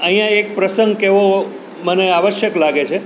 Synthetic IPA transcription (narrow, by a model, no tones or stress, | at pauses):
əɦijãek̚pɾəsə̃ŋɡkeʋo | məneaʋəʃjəklaɡet͡ʃʰe